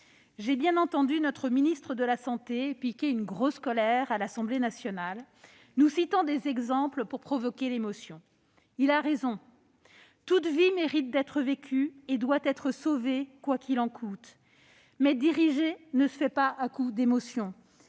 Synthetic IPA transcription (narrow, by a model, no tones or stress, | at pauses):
ʒebjɛ̃nɑ̃t̪ɑ̃d̪ynɔt̪χəminist̪χəd̪əlasɑ̃t̪eepikʲeynɡʁoskɔlɛʁalasɑ̃blenasjɔnal | nusit̪ɑ̃d̪ezɛɡzɑ̃pləpuʁpχɔvɔkʲelemɔsjɔ̃ | ilaʁezɔ̃ | t̪ut̪vimeʁit̪̚d̪ɛt̪χəvekʲʰyed̪wat̪ɛt̪χəsovekwakilɑ̃kʰut̪ | mɛd̪iʁiʒenəsəfɛpaakud̪emɔsjɔ̃